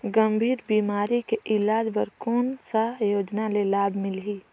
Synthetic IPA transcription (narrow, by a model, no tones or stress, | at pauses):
ɡɐmbʱiːɾbiːmaːɾikeʔɪlaːd͡ʒbəɾkoːnsajoːd͡ʒnalelaːbʱmɪlɦiː